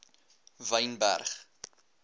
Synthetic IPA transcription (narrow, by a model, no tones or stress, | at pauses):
vəjnbæ̰rχ